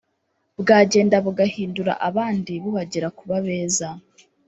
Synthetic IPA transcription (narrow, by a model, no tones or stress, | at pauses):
bɡaːɟe̞ːndaβuɡahiːnduɾa̰ʔaβaːndiβuβaɟeɾakuβaβe̞ːza